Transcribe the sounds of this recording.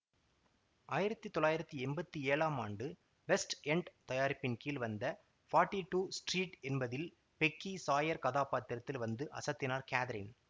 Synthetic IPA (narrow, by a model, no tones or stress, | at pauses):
aːjɪɾɐt̪ːɯt̪ːɔɭːaːjɪɾɐt̪ːiɛnbɐt̪ːieːɭaːmaːɳɖɯ | ʋɛsʈɛɳɖt̪ɐjaːɾɪpːɪnkiːlʋɐnd̪ɐ | faːɾʈːiʈuːsʈriːʈɛnbɐðɪl | pɛkːisaːjɐɾkɐðaːpaːt̪ːɪɾɐt̪ːɪlʋɐnd̪ɯʔɐ̰sɐt̪ːɪnaːɾkaːðɐɾɪn